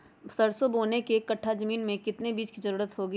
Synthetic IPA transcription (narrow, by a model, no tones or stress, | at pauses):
sɐɾsoboːnekekɐʈʰːad͡ʒɐmiːnmẽkɪt̪nebiːd͡ʒkizɐɾuːɾət̪ɦoːɡiː